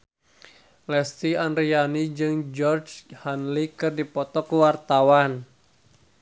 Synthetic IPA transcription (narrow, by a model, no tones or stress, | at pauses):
lɛst̪ianɾianid͡ʒɨŋd͡ʒɔrd͡ʒhanlikɨrdipɔt̪ɔkuwart̪awan